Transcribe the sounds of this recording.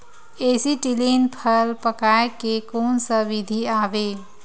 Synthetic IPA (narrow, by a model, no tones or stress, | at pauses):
eːsiʈiliːnpʰəlpəkaːekekoːnsəʋɪd̪ʱiaːʋeː